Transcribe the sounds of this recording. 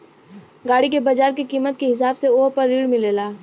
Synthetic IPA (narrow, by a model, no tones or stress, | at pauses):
ɡaːɽikebɐd͡ʒaːɾkikiːmət̪̚kiɦɪs̬aːbseoːpɐɾːiːɽmɪ̃leːlaː